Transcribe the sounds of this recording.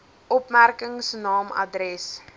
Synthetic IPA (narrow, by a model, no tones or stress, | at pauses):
ʔɔpmærkəŋsnɑːmɐ̰dɾɛs